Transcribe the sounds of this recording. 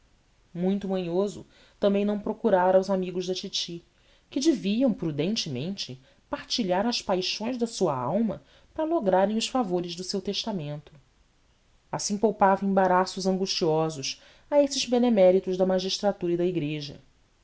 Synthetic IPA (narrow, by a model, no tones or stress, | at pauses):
mũj̃t̪ʊmɐ̃ɲozʊ̰ | t̪ɐ̃mbẽj̃nɐ̃w̃pɾokuɾaɾɐawzamiɡʊʒd̪ɐt͡ʃit͡ʃi | kɪd͡ʒɪviɐ̃w̃pɾud̪ẽnt͡ʃɪmḛ̃nt͡ʃɪ | paɾt͡ʃiʎaɾɐʃpajʃõj̃zd̪ɐsuɐa̰wmɐ̰ | pɾɐloɡɾaɾẽj̃ʊʃfavoɾɪʒd̪ʊsewt̪eʃt̪amẽnt̪ʊ̥ | asĩpowpavɐẽbaɾasʊzɐ̃ŋɡuʃt͡ʃiɔzʊs | ɐesɪzbenemɛɾit̪ʊʒd̪ɐmaʒiʃt̪ɾat̪uɾɐid̪ɐiɡɾeʒɐ̰